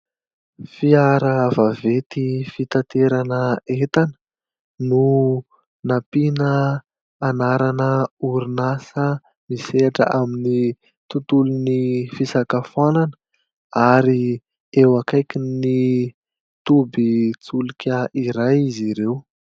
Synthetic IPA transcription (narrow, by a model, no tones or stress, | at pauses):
fiaɾəvavet̪ifit̪at̪eɾanəet̪anə | nu | napinəː | naɾanəuɾinasə | miseaʈ͡ʂə̰ʔamini | t̪ut̪ulunifisakafananə̥ | aɾi | ewakajkʲini | t̪ubit͡sulikʰʲəʔiɾajiziɾew